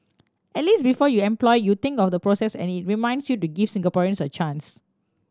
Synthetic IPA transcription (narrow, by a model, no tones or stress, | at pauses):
ɛtlis̚bifɔjuɛ̃mplɔɪjut̪ɪ̃ŋkɔfd̪əpɹosɛsɛ̰̃nit̚ɹimãɪ̃ndsjutuɡifsĩŋɡapɔɹiə̃nsət͡ʃãns